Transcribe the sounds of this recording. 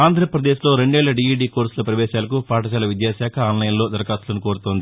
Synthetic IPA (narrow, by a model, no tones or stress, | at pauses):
aːnd̪ʱɾɐpɾɐd̪eːʃlo̞ːɾeɳɖɛːɭːɐɖiiɖiːkoːɾsulɐpɾɐʋɛːʃaːlɐkupʰaːʈɐt͡ʃaːlɐʋid̪jaːʃaːkʰɐaːnlɐjɐnlo̞ːd̪ɐɾkaːslɐnuko̞ːɽut̪oːnd̪i